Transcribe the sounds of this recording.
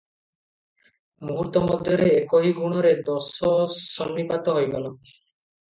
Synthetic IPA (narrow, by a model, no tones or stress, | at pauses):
muɦut̪ɔmɔd̪ʱjɔɾeːkɔɦiɡuɽ̃ɔɾed̪ɔsɔsɔnːipat̪ɔɦojɡɔlɔ